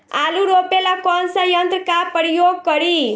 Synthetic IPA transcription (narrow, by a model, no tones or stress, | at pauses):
aluɾopelakɔnsajʌnt̪rəkapəɾijoɡ̚kʌɾi